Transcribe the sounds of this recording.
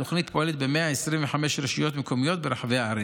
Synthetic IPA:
oχnit̪poʔelet̪bemeaesɾimveħameʃɾeʃijot̪mekʰomijo̞t̪beɾaħaveaaɾe

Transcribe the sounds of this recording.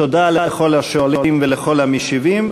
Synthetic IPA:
tod̪aleeχolaʃoalimveleχo̞lhamiʃivim

